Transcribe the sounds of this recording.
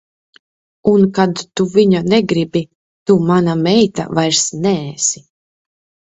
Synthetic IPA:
unkad̪t̪uviɲanɛɡɾibi | t̪umanamɛjt̪a̰vajɾsnɛːsi

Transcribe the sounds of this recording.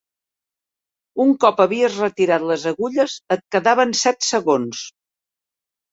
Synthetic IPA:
uŋkɔpəβiəzrət̪iɾat̪ləzəɣuʎəzət̪̚kəðaβənsɛt̪səɣons

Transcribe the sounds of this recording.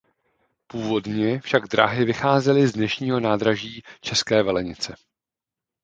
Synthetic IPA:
puːvo̞dɲɛfʃaɡdɾa̰ɦɪvɪxaːzɛlɪzdnɛʃɲiːɦo̞naːdɾaʒiːt͡ʃɛskɛːvɛlɛɲɪt͡sɛ

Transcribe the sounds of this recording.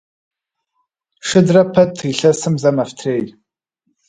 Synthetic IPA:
ʂɨdrɐpʰɐtʰiɬɐsɨmzɐmɐftʰreːj

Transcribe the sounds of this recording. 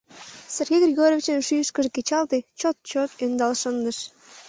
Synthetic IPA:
serɣʲejɡrʲiɣoɾʲovʲit͡ɕənʃyjʃkəʒekʲet͡ɕɑlˠt̪et͡ɕot̪̚t͡ɕot̪ønd̪ɑlˠʃənd̪əʃ

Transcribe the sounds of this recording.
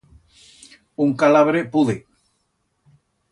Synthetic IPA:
uŋkalaβɾepuðe

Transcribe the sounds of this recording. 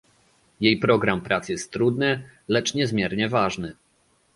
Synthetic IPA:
jejpɾɔɡɾampɾat̪sjɛst̪ːɾud̪nɘlɛt͡ʂɲɛzmʲjɛɾɲɛvaʐnɘ

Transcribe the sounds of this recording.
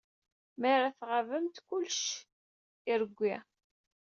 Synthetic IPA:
mæɾaθʁavəmt̪kʊlʃ | iɾəɡʷːi

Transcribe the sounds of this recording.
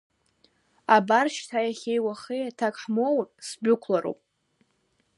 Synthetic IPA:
abarʃtʰajaχʲejwaχejatʰakʼħmowapʼsbʊkʷʰlaɾo̰wpʼ

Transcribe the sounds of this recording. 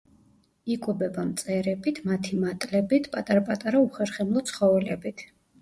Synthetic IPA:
ikʼubɛbamt̪sʼɛɾɛbit̪ʰmat̪ʰimat̪ʼlɛbit̪ʰpʼat̪ʼaɾapʼat̪ʼaɾauχɛɾχɛmlˠɔt̪sχɔvɛlɛbit̪ʰ

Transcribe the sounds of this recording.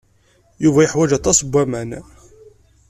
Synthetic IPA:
juvæjəħwæd͡ʒæt̪ˤɑsbʷːæmæn

